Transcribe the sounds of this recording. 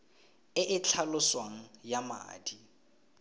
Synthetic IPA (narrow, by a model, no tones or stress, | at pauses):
ɪʔɪt͡ɬʰalʊswaŋ̩jama̰ːdi